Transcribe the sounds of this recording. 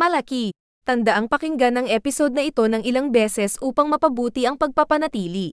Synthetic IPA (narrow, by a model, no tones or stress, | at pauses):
mɐlɐki | t̪ɐnd̪ɐʔaŋpɐkɪŋɡanːɐŋʔɛːpɪso̞d̪̚nɐʔɪt̪o̞nɐŋʔɪlaŋbɛsɛsʔuːpɐŋmɐpɐbuːt̪iʔɐŋpɐɡ̚pɐpɐnɐt̪iːli